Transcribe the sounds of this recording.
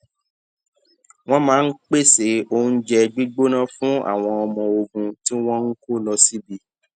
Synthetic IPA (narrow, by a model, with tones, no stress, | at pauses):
w̃ɔ̃˦mãː˨˦n̩˦k͡pe˦˨se˨˦o˦n̩˦d͡ʒɛ˧ɡ͡bi˦ɡ͡bo˦nã˦fũ˦a̰˦˨w̃ɔ̃˧ɔ˧mɔ̃˧o˧ɡũ˧ti˦w̃ɔ̃˦n̩˦ko˦lɔ˧si˦bi˧